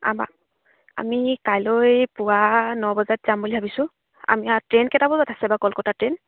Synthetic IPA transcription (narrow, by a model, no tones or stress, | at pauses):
a̰ba̰ | a̰mikajlojpʊwanɔbɔzatzambulibʱabisʊ̃ | a̰miatɹenkɛtabɔbatʰasɛbakɔlkɔtatɹen